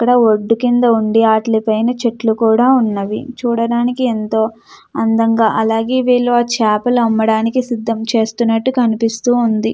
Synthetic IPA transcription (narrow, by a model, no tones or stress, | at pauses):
ɐkːɐɽɐoɖːukind̪ɐuɳɖiaːʈlipɐjnɐt͡ʃeʈlukuːɽaːunːɐʋḭt͡ʃuːɽɐɽaːnikient̪o̞ː | ɐnd̪ɐŋɡaːʔɐlaːɡeːʋeːɭːoaːt͡ʃaːpɐlɐmːɐɽaːnikisid̪ʱːɐmt͡ʃe̞ːst̪unːɐʈːukɐnipist̪uːund̪i